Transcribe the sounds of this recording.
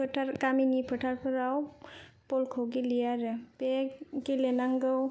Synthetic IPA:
pʰtʰaɾkaminipʰɯtʰaɾpʰɯɾawpɔlkʰəwɡilijaɾɯpeɡilenaŋɡɯw

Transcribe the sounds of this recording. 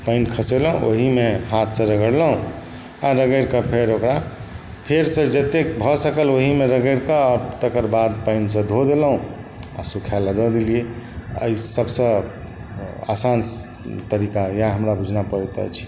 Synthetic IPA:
pəɪnkʰəseləũʔo̰ɦimeɦat̪ʰsə̃ɾəɡəɽləɦũ | aɾəɡəɪɾkəpʰeɾokɾa | pʰeɾsə̃d͡ʒət̪ek̚bʱɔsəkəloɦimeɾəɡəɪɾkət̪əkəɾbad̪paɪnsə̃d̪ʱod̪elɦũ | a̰sukʰjaləɡəd̪ilieə̰isəbsə̃ | a̰sans | t̪əɾikajãɦəmɾabʱud͡ʒʱnapəɾɛt̪ə̰t͡ʃʰi̥

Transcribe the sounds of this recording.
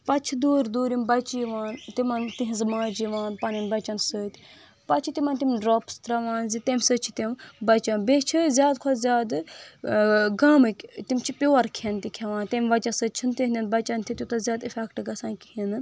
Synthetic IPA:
pɐt͡ʃʰid̪uːɾd̪uːɾimbɐt͡ʃiʋaːnt̪imɐnt̪iɦĩzmaːd͡ʒiʋaːnpaːnʲinbɐt͡ʃɐnsəːt̪ʲ | pɐt͡ʃʰit̪ʲimɐnt̪imʲɖɾoːpst̪ɾɐʋaːnzit̪emʲsət͡ʃʰit̪embɐt͡ʃɐnbet͡ʃʰizʲjaːd̪kʰolzʲjaːd̪ | ɡaːmɨkʲt̪imt͡ʃʰipʲoːɐɾkʰent̪ikʲʰeʋaːnt̪emʲʋɐt͡ʃɐsət͡ʃʰint̪iɦnd̪ʲinbɐt͡ʃɐnt̪ʰit̪ʲjut̪ɐzʲaːd̪ifʰʲɛkʈɨɡɐsãːnkʲhinɨ

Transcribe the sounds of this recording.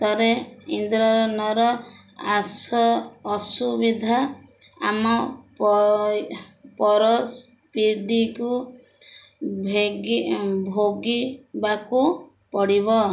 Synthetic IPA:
t̪ɔɾeind̪ɾɔɾɔnɔɾɔa̰sɔːsubid̪ʱa | a̰mɔ | pɔɾɔs | piɾɖiku | bʱɡbʱoɡibaku | pɔɽiβɔ

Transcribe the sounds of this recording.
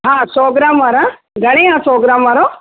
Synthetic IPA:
ɦãːsoːɡɾaːmʋaɾa | ɡɐɽ̃eɦãsoːɡɾaːmʋaɾo

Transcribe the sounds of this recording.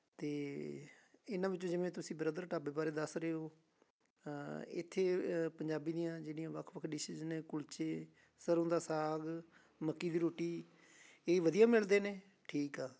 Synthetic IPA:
t̪eː | ɪnãːʋɪt͡ʃːõːd͡ʒɪʋẽːt̪ʊsĩːbəɾəd̪əɾʈaːbeːbaːɾeːd̪əsɾəoː | ɪ̰t̪ʰːeːpəɲd͡ʒaːbiːd̪ijãːd͡ʒeːɽijãːʋəkʰʋəkʰɖɪʃɪznẽːkʊlt͡ʃeː | səɾʊ̃nd̪aːsaːɡ | məkːiːd̪iːɾoːʈiː | eːʋəd̪ijãːmɪld̪eːneː | ʈʰiːkaː

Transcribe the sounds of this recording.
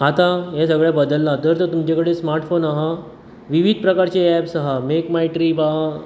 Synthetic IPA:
at̪ãɦɛ̃səɡɭjabəd̪əlːãt̪əɾt̪əɾt̪umt͡ɕakəɽesmaɾʈfonaɦa | ʋiʋid̪̚ʱpɾəkaɾt͡ɕeɛpsəɦamekmajʈɾiba

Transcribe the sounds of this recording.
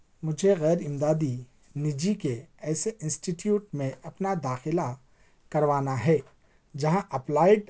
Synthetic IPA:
mʊd͡ʒʱeɣɛːɾɪmd̪aːd̪i | nɪd͡ʒikeɛːseʔɪ̃nsʈiʈjuːʈmẽɐpnad̪aːxɪla | kɐɾʋaːnaɦɛː | d͡ʒɐɦãʔɐplaːɪɖ

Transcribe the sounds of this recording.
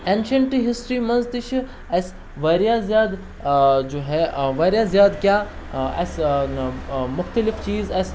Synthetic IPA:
ẽnʃɐɳʈɦɪsʈɾiːmɐ̃nzt̪iʃʰ | ɐs | ʋɐɾjaːzjaːd̪ | d͡ʒoːɦɛʋɐɾjaːzjaːd̪kʲjaːɐ̰s | mʊxt̪ɐlift͡ʃiːzɐs

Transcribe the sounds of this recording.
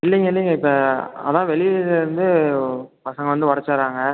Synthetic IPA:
ɪlːɪŋɡɐɪlːɪŋɡɐɪpːɐɐ̰ðãːʋɛɭɪʋðɪɾɯnd̪ɯ | pɐsɐŋɡɐʋɐnd̪ɯʋɐɽɐt͡ʃːaːɾaːŋɡɐ

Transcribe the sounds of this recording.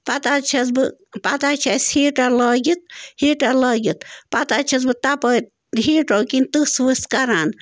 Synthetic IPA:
pɐt̪at͡ʃʰɐsbɨpɐt̪at͡ʃʰasheːʈalɐːɡit̪̚heʈalɐːɡit̪pɐt̪at͡ʃʰɐs̬bɨt̪apə | ɦeːʈoːkint̪ɨsʋɨskaɾaːn

